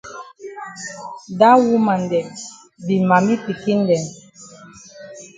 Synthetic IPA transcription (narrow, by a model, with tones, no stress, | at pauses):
da˦wu˦ma˨n˨dɛ˨ | bi˨ma˨mi˦pi˨ki˦n̩˦dɛ˨n